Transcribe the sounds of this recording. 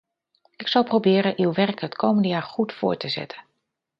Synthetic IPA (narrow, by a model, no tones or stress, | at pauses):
ɪksʌlˠprobɪːɾənʔywʋɛrkɦətkʰowməndəjaːɹχutfʊ̰ːɹtəzɛ̰tʰən